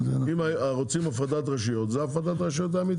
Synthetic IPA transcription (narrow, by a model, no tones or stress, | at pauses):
zimaʁot͡simafʁad̪at̪ʁaʃijot̪zeafʁad̪at̪ʁaʃijot̪̬aːmit̪